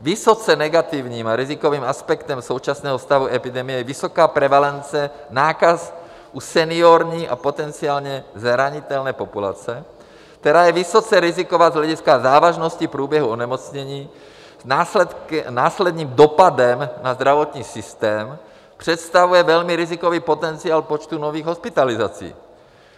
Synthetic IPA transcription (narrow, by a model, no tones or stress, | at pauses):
vɪsot͡sɛnɛɡat̪ivɲiːmaɾɪzɪkoviːmaspɛkt̪ɛmso̞wt͡ʃasnɛːɦost̪avuɛpɪdɛmɪjɛvɪsokaːpɾɛvalɛnt͡sɛ | naːkas | ʔusɛnɪoɾɲiːʔa̰po̞t̪ɛnt͡siaːlɲɛzɾaɲɪt̪ɛlnɛːpopula̰t͡sɛ | kt̪ɛɾaːjɛvɪsot͡sɛɾɪzikovaːzɦlɛɟiskazaːvaʒnoscipɾuːbjɛɦuonɛmot͡sɲɛɲiː | zna | naːslɛd̪ɲiːmd̪opadɛmnazd̪ɾavot̪ɲiːsɪst̪ɛːm | pr̥ɛt̪st̪avujɛvɛlmiɾɪzikoviːpot̪ɛnt͡siaːlpot͡ʃt̪unoviːɣɦospɪt̪alizat͡sḭː